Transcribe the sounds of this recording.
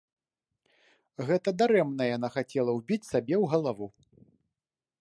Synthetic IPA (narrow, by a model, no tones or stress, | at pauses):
ɣɛt̪ɐd̪aɾɛmnɐjan̪axat͡sʲɛlˠɐwbʲit͡sʲsabʲɛwɣɐlˠavu